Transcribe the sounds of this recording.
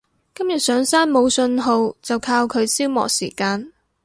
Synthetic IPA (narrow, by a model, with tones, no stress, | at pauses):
kɐ˥mjɐ˨t̚sœː˨˥ŋsaː˥nmo˨˧wsɵ˧nɦo˨˧wt͡sɐ˨wkʰaː˧wkʰɵ˨˧ɥsiː˥wmɔ̰ː˨k̚siː˨˩kaː˧n